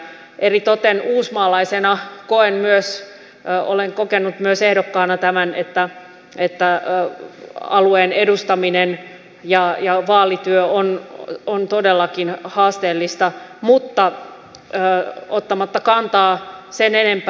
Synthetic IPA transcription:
ʔerit̪ot̪enuːsmɑːlɑisenɑkoenmyøs | o̰leŋkokenːut̪myøsehdokːɑːnɑt̪æmænḛt̪ːæ | et̪ːæ | ɑ̰lueːnedust̪ɑminen | jɑjɑʋɑːlit̪yøonont̪odelːɑkinhɑːst̪eːlːist̪ɑmut̪ːɑ | ot̪ːɑmɑt̪ːɑkɑnt̪ɑːsenenemp

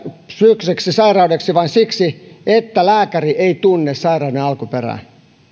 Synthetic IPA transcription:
sykseksisɑirɑudeksiʋɑnsiksiet̪ːælæːkæriʔeit̪unːessɑirɑudenɑlkuperæ̰

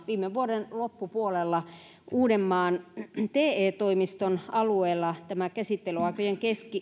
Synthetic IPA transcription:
ʋiːmːeʋuoɾenlopːupuolelːɑ | ʔuːdemːɑːnt̪eːeːt̪oimist̪onɑlueːlːɑt̪æmækæsit̪ːelyɑˑikojeŋkeski

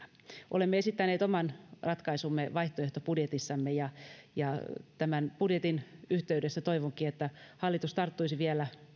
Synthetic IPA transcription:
ʔo̰lemːeesit̪ːæneːt̪omɑnrɑt̪kɑisumːeʋɑiht̪oeht̪opudjet̪isːɑmːejɑjɑt̪æmænpudjet̪inyht̪eydesːæt̪oiʋoŋkiet̪ːæhɑlːit̪ust̪ɑrt̪ːuisiʋielæ

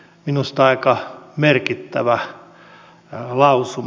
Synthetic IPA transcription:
minust̪ɑikɑmerkit̪ːæʋæ | lɑusu

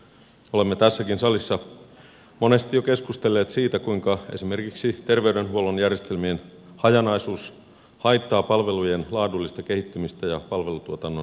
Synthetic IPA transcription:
ole̞mːet̪æsːækinsɑlisːɑ | mo̞ne̞st̪ijoke̞skust̪elːe̞ːt̪siːt̪ækuiŋkɑe̞̰sime̞rkiksit̪erʋeydenɦuolonjærjest̪elmien | hɑjɑnɑisuːs | hɑjt̪ːɑːpɑlʋe̞lujenlɑːdulːist̪ɑkehit̪ːymist̪æjɑpɑlʋe̞lut̪uot̪ɑnːo

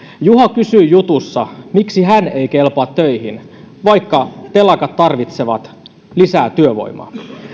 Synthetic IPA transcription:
juɦɑkysyːjut̪usːɑmiksiɦæne̞jkelpɑːt̪ːøjhin | ʋɑjkːɑt̪e̞lɑkɑt̪ːɑrʋit̪se̞ʋɑ̰t̪ | lisæːt̪yøʋo̞̰jmɑ̰ː

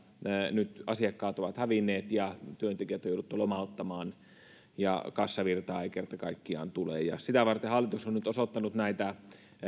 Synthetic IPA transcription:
nyt̪ɑsiɑkːɑːt̪oʋɑt̪hæʋinːeːt̪jɑt̪yønt̪ekiæt̪jouɾut̪ːulomɑˑot̪ːɑmɑːn | jɑ̰kɑsːɑʋirt̪ɑːekert̪ɑkɑikːiɑ̰ːnt̪ulḛːjɑ̰sit̪æʋɑrt̪ehɑlːit̪usonnyt̪osot̪ːɑnut̪næit̪æ

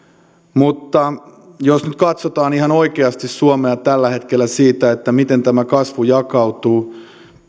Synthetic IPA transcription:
mut̪ːɑ | josnyt̪̚kɑt̪sot̪ɑːniɦɑnoikeɑst̪issuomeɑt̪ælːæhe̞t̪kelːæsiːt̪æet̪ːæmit̪ent̪æmækɑsʋujɑkɑwt̪uː

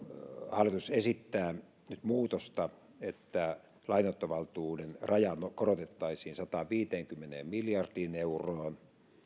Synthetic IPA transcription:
hɑlːˑit̪usesit̪ːæː | nyt̪muːt̪ost̪ɑ | et̪ːæ | lɑinot̪ːoʋɑlt̪uːdenrɑjɑnokoɾot̪et̪ːɑisiːnsɑt̪ɑʋiːt̪eːŋkymːenḛːmmiljɑrdiːneuroːn

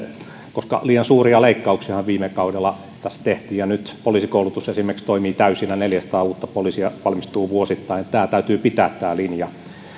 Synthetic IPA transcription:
koskɑ̰liːjɑnsuːriɑleikːɑuksihɑʋʋiːmekɑudelːɑ | t̪æst̪eht̪iːjjɑnyt̪poliˑsikoulut̪usesimːerkst̪oimiːt̪æysinæneljæsɑ̥t̪ɑːuːt̪ːɑpolisiɑʋɑlmist̪uːʋuosit̪ːɑinet̪t̪æːt̪æyt̪yːpit̪æːt̪tːæːlinjɑ

